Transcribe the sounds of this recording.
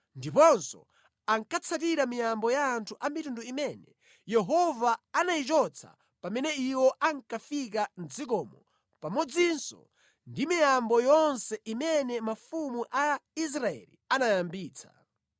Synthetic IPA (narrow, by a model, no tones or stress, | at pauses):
ndipɔnsɔ̰ | aŋkat͡sʰat̬iɾamijambɔjaːntʰuʔamitunduimɛnɛ | jɛɦɔvaːnait͡ʃɔt͡sʰa̰ | pamɛnɛiwɔʔaŋkafik̬and͡zikɔːmɔ | pamɔd͡zinsɔ̰ | ndimijambɔjɔnsɛimɛnɛmafumuʔais̬ɾaɛ̰lḭanajambiːt͡sʰḁ̰